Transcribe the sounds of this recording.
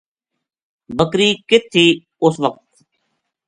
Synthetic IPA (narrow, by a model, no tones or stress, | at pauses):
bəkɾiːkɪt̪ʰːiː | ʊsʋəq̚t̪